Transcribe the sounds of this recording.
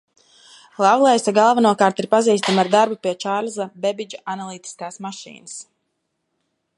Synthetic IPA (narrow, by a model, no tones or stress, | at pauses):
lˠawɡlˠɛjsaɡalˠvanuɔkaːɾt̪iɾpaziːst̪amaɾd̪aɾbupiɛt͡ʃaɾlzabɛbid͡ʒaʔanalˠiːt̪i̥skaːsmaʃḭːnəs